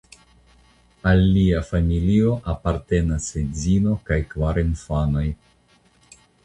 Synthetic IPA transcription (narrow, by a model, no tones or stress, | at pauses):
alːiafamilio̞ʔapaɾte̞nasezino̞kajkvaɾinfano̞j